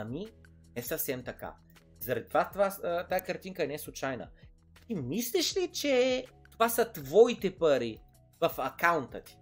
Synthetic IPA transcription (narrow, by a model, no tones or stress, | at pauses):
ɐmi | ɛsɐfsɛmt̪ɐka̰ | zɐɾɐd̪it̪ovat̪vat̪ajəkɐɾt̪iŋkəɛnɛslˠʊt͡ʃajnə̰ | t̪imislʲɛʃlit͡ʃɛ | t̪ovasɐt̪vɔit̪ɛpəɾi | vɐfɐkawnt̪ət̪i̥